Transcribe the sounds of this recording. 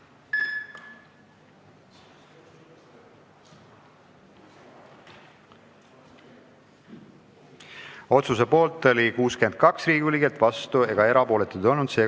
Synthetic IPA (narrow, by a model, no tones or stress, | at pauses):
o̞t̪sus̬e̞po̞ːlt̪ːˑo̞likuːske̞nd̪̥̚kɑksriːɡulikelt̪ːˑvɑst̪ueɡ̥ɑe̞ɾɑpo̞ːle̞t̪ːˑud̪o̞lnud̪̥se̞ː